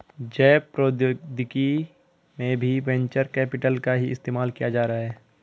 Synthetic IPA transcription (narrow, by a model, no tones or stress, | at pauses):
d͡ʒɛːpːɾoːd̪d̪ʱɪki | mẽbʱiʋɛ̃ɲt͡ʃəɾkɛːpɪʈəlkaɦiɪst̪eːmaːlkijad͡ʒaːɾaɦaɦɛː